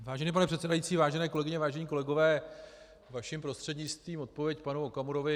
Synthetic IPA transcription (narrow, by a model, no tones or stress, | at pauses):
vaːʒɛniːp̬anɛpr̥ɛt̪sɛdajit͡siːvaːʒɛnɛːkolɛɡɪɲɛvaːʒɛɲiːko̞lɛɡo̞vɛː | vaʃɪmpɾo̞st̪r̝̥ɛdɲɪt͡st̪viːmo̞t̪̚povjɛcpanuokamuɾo̞vɪ